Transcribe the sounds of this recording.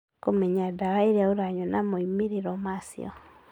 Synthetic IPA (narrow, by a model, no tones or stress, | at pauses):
komɛɲadaɾaeɾeaoɾaɲɔnamoimeɾeɾɔmasḭɔ̰